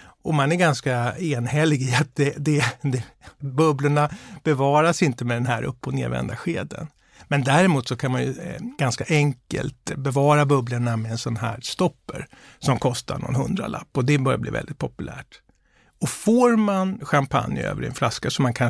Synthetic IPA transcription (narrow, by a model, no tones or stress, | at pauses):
ɔmanæɾɡanskaeːnhɛlːɪɡɪat̪̚d̪ɛd̪ɛd̪ɛbɵbləɳab̥ɛvɑːɾasɪnt̪əmɛd̪ɛnɦæːɾʔɵ̰pːɔnḛːvɛ̰nd̪aɧeːd̪ə̰n | mɛnd̪æːɾɪmuːt̪sɔkʰanmanjɵɡ̥anskaʔɛŋkə̰lt̪bɛvɑːɾabɵbləɳamɛɛnsɔnɦæːɾst̪ɔpːə̰ɾ | sɔmkʰɔst̪a̰ɳɔ̰nhɵnd̪ɾa̰la̰pːɔd̪ɛbœɾjablḭːvɛ̰ld̪ɪt̪̚pʰɔpɵlʔæ̰ːʈ | ɔfoːɾmanɧampʰa̰njø̰ːvəɾɛ̰nflaskasɔmːankʰan